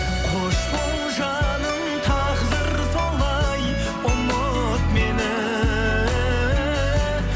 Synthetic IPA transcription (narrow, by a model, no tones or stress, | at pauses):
qʰoʃpowˠ | ʒɑnəŋ | t̪ʰɑʁzəɾ | sʰɑlˠɑj | ʊnːo | t̪menɪ